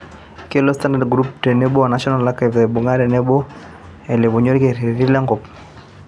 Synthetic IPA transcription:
kɪ˦lo˦sta˦nda˨dɡɾu˦p̚te˨ne˦bo˦a˨na˦ʃɔ˦na˨la˦ka˨ve˨bu˨ŋa˦ɾɛ˨nɛ˦bo˦ | e˨lɪ˨bo˨ɲo˦ɾke˨ɾi˨ɾi˦la˦ŋɡɔ˨p

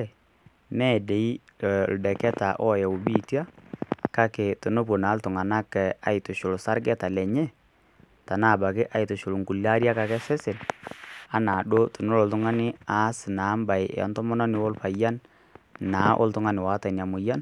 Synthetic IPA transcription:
mɛ˦˨de˨i˦˨ | l̩˨dɛ˨kɛ˦ta˨ʔɔ˦˨jɛ˨u˨bi˦ti˦a˦ka˦ke˨to˨no˦p̬o˨na˨˦ltʊ˨ŋa˨na˦kɛ˨a˨ɪ˨tʊ˨ʃʊ˨lʊ˨sa˦ɾɡɛ˦ta˨lɛ˨ɲɛ˦ | ta˨na˦˨ba˨kɪ˦ʔa˨jtʊ˨ʃʊ˨lʊ˨ŋku˨la˦ɾja˦ka˨kɛ˦sɛ˦sɪ˨n | a˦na˨ɗo˦tʊ˨nʊ˦lɔ˨ltʊ˦ŋa˦nɪ˦a˨˦sɪ˨na˨˦mba˨ɪ˨a̰˨ntɔ˦mɔ˦nɔ˦nɪ˨wo˦lpa˨ja˦n | naː˨˦ʔo̰˦ltʊ˦ŋa˦nɪ˨wa˨˦ta˨n˨a˨mʊ˨ja˦n

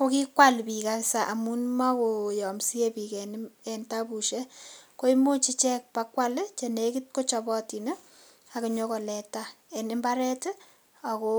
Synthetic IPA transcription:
ko˦ki˦kwa˦lpi˨ka˦sa˨ʔa˨mu˦nma˦ko˨jɔ˨msi˦e˦pi˨kɛ˨nɛ˨nta˦pu˨ʃe˦ko˦i˦mo˦t͡ʃi˦t͡ʃɛ˦k̚pa˦kwa˦lt͡ʃe˨neki˦t̚ko˦t͡ʃɔ˨bɔ˦ti˨nə˦ | a˨ku˨ɲo˦ko˨lɛ˨ta˦ɛ˨nɪ˦mba˦ɾɛ˦t | a˨ko˦

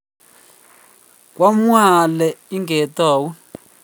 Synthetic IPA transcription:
k̬wa˦m˦a˨lɛ˨i˦ŋɡɛ˨taː˨wu˦

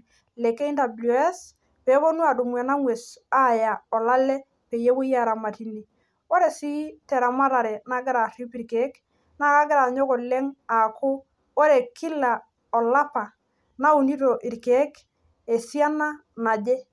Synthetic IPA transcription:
lɛ˨ke˦i˦nda˨blu˨ɛ˦s | pe˨˦bo˦nu˦a˨du˨m˨ɛ˨na˦ŋwe˨sa˦˨ja˨ɔ˨la˦lɛ˦ | pe˨je˦wʊ˦ja˦˨ɾa˨ma˨ti˨ni˨ | o˦ɾe˨si˦tɛ˨ɾa˨ma˦ɾa˨ɾɛ˨na˦ɡɪ˦ɾa˨ri˦pi˨ɾke˦k | na˦ka˦ɡɪ˦ɾa˨ɲo˦kɔ˨lɛ˦ŋa˨kʰʊ˦ | o˦ɾe˨kʰɪ˦la˨ | ɔ˨la˦pa˨ | na˦u˨ni˦ɾo˨ʔi˨ɾkeː˨˦k | e˨si˦a˦na˦ | na˨d͡ʒe˦

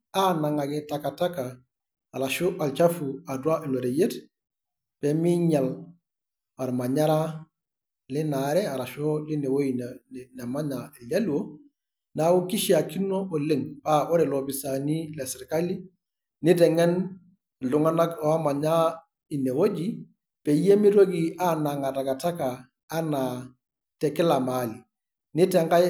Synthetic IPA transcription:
anaŋaɡɛtakatakaː˨ | la˨ʃoʔa˨lt͡ʃafuadwa˦ʔi˨loɾe˨jet | b̥emi˦ɲal | wa˨ɾma˨ɲaɾa | linaɾeaɾaʃoline˨wojinna˨maɲae˨lɟalwo | na˨˦wu˦ki˦ʃia˨ki˦nɔ˦ɔ˨le˦ŋpa˦ʔɔ˦ɾɛ˨lɔ˨bi˨sa˨ni˦lɛ˨sɛ˨ɾka˦li˦ | ni˦tɛ˨ŋɛ˦n | lu˨ŋa˦na˦kɔ˨a˦ma˨ɲa˦ | i˨ne˨wo˦d͡ʒi˦ | pɛ˨je˦mi˦ɾo˦ɡi˨ʔa˦na˨ŋa˨ta˨ka˨ta˦kaː˨˦ | na | tɛ˨kɛ˦la˨mali˨ | ni˦tɛ˨ŋɡa˦

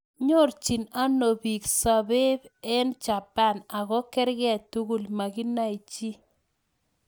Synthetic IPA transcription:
ɲo˦˨ɾt͡ʃi˨na˦no˨bi˨ksa˨be˦bɛ˦nt͡ʃa˨pa˦˨na˨ɣɔ˦kɛ˦ɾɡɪ˦a˨tu˦ɡu˦lma˨ɡi˦na˦i˨t͡ʃi˦

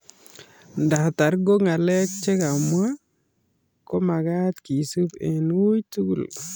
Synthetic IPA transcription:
nda˨ta˨ɾɡo˦ŋa˨lɛ˦k̚t͡ʃe˦ka˨mwa˦ | kɔ˦ma˨ɡa˦t̪ki˨su˦pɛ˨nu˦jtu˦ɡu˨l

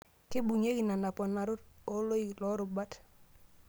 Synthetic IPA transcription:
kɪ˦bu˨ɲe˦ki˨na˨na˨pɔ˨na˨ɾʊ˦t̚o˦lo˦i˨lɔ˦ɾʊ˨ba˦t

